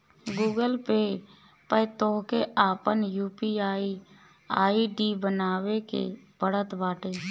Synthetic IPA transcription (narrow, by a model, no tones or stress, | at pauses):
ɡuːɡəlpe | pət̪oːkeʔaːpənjuːpiaːi | aːiɖibənaːwekḛb̥əɽ̤ət̪baːʈeː